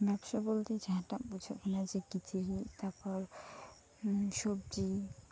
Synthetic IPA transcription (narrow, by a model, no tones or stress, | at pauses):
bɛbʃabolt̪ed͡ʑaɦãʈapud͡ʑʰokʰɔnad͡ʑekit̪ʰiɾit̪aɾpɔɾ | ʃobd͡ʒi